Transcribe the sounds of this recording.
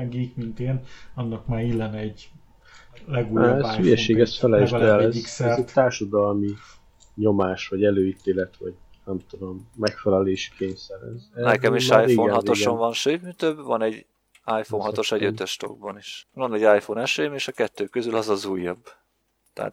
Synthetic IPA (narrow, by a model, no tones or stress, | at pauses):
ŋɡiːkmint̪eːnɒnːɒkmaːɾilːɛnɛɟ | lɛɡuːzyjɛʃeːɡɛsfɛlɛʒd̪ɛlɛziksɛrɛt̪aːrʃɒd̪ɒlmi | ɲo̞maːʃvɒɟɛløːit̪eːlɛt̪vɒɟnɛmt̪ud̪o̞mːɛkfɛlɛleːʃi̥kʰeːɲsɛɾɛ̰znɛkɛmiʃajfionɦɒt̪o̞ʃonvɒnʃøːt̪mit̪øbvɒnɛɟː | ajfonɦɒt̪o̞ʃɛɟøt̪ʃt̪o̰ɡ̚bɒniʃvɒnɛɟːajfonɛʃeːmeːʃɒkɛt̪ːøːkø̞zylɒzɒzuːjːɒb | t̪ɛ̰ːt̪